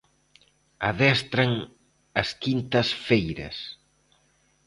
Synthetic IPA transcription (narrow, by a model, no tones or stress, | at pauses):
ɐ̰ðɛst̪ɾɐŋ | ɐskint̪ɐsfejɾɐ̰s